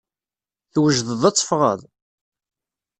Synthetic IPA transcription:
θwəʒðəðˤɑt͡sˤːə̥fʁə̰ðˤ

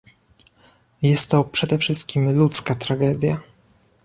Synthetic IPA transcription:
jɛst̪ːɔpʂɛd̪ɛfʂɘst̪̚kʲimlut̪skat̪ɾaɡɛd̪ʲja

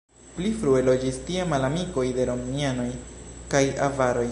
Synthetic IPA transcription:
plifɾue̞lo̞d͡ʒistiamalamiko̞jde̞ɾo̞mniano̞jkaja̰vaɾo̞j

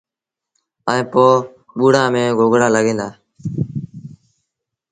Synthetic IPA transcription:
əẽːpoː | ɓuːɽãːmẽːɡʱoːɡɽaːləɡʱẽːnd̪aː

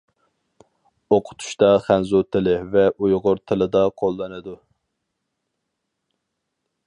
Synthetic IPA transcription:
oqʰʊ̥t̪ʰu̥ʃt̪ɑχænzut̪ʰɪlɪvɛʔujʁʊɾt̪ʰɪlɪd̪ɑqʰolˠːɨnɨd̪u

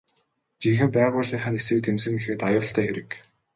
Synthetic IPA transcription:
t͡ɕiŋxɘ̆mpæːʁʊːɮiːŋχăːnesɘ̆kt̪emsɘ̆ŋɡexɘ̆t̪ajʊːɬt̪ʰæːxeɾɘ̆k

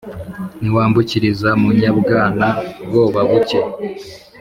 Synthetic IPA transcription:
niwaːmbuciɾizamuɲabɡaːnabɡo̞ːβaβuce

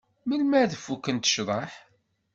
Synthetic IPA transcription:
məlmæðəfːukːənt̪ə̥ʃðˤɑħ

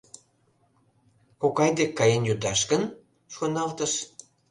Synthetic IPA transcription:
kokɑjd̪ekːɑjenjud̪ɑʃkən | ʃonɑlt̪əʃ

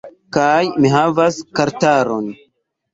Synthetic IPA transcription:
kajmiɦavaskaɾtaɾon

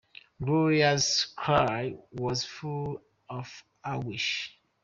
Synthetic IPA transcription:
ɡɔɹiaskʰɹajwɔzful | ɔf | awiʃ

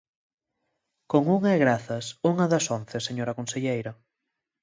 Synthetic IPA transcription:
koŋuŋaeɣɾaθɐsuŋɐðɐsonθeseɲoɾɐkonseʎejɾɐ

